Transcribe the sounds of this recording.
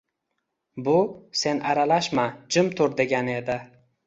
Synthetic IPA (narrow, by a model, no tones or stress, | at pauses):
bʊse̞naɾalaʃmad͡ʒɪmt̪ʰʊɾd̪e̞ɡʲane̞d̪ɪ